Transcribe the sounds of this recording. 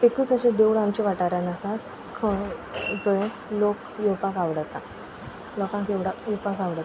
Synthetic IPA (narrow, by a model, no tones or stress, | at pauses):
ekuːt͡səɕẽd̪ewɽamt͡ɕiʋaʈaɾjanasat̪ | kʰəd͡zəje | lok | jewpakaʋɽət̪a | lɔkãŋkjewɽakjepakaʋɽət̪